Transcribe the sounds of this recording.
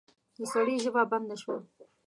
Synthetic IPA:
d̪əsaɽiʒəvaband̪aʃwa

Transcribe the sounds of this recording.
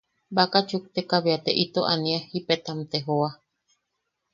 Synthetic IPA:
bakat͡ʃuk̚t̪ekaβiat̪eʔit̪oʔaniahipet̪amt̪eɦoa

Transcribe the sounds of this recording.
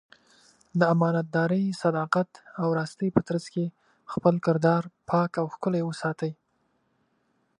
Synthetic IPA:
d̪əamɑnat̪̚d̪ɑɾəjsad̪ɑqat̪awɾɑst̪əjpət̪ɾazke | xpəlkɪɾd̪ɑɾpʰɑkawxkʊlajwəsɑt̪əj

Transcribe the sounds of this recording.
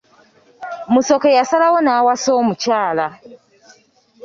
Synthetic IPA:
muso̞kejasalawonaːwasoːmucaːla

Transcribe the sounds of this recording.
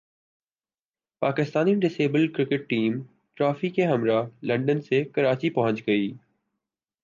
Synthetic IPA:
paːkɪst̪aːniɖɪseːbəlkɾɪkɪʈ̚ːiːm | ʈɾaːfikẽɦɐmɾalɐ̃ɳɖənsekɐɾaːt͡ɕipɐɦə̃ɲt͡ɕɡɐiː

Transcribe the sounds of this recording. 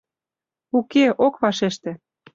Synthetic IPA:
ukeʔokβɑʃeʃt̪ĕ

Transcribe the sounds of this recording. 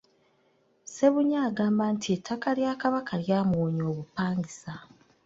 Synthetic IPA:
se̞βuɲaːɡaːmbaːntʰietʰːakaljaːkaβakʰaljaːmoːɲo̞ːβupaːŋɡisa

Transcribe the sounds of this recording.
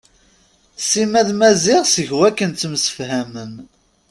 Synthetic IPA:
simæðmæzɪʁsəʝwækːənt͡sːmsə̥fhæməm

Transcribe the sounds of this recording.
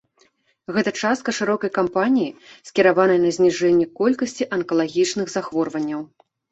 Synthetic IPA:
ɣɛt̪ɐt͡ʂast̪̚kɐʂɨɾɔkɐjkampanʲijisʲkʲiɾavanɐjnɐzʲnʲiʐɛnʲːɛkɔlʲkɐsʲt͡sʲiʔɐnkɐlˠaɣʲit͡ʂnɨɣzaxvɔrvɐnʲːɐw

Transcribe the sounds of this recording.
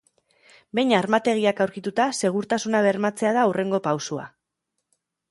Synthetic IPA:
be̞jɲaɾmat̪e̞ɣ̞iakawɾkit̪ut̪ase̞ɣ̞uɾt̪asunaβ̞e̞ɾmat͡se̞aðaure̞ŋɡo̞pawsua̰

